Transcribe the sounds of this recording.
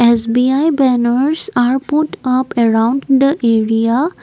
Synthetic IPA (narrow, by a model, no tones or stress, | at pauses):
esbiajbɛnəɾsaɾpʊʈʌpɛɾãʊ̃ɳɖd̪əʔeɾia